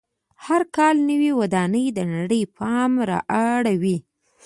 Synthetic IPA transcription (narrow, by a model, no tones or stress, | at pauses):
haɾkɑlnəwiwad̪ɑnəjd̪ənaɽəjpʰɑmɾɑ̰ʔaɽawi